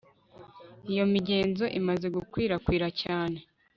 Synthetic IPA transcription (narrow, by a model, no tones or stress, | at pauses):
ijo̞miɟe̞ːnzo̞ʔimaze̞ɡukwiːɾakwiːɾacaːne̞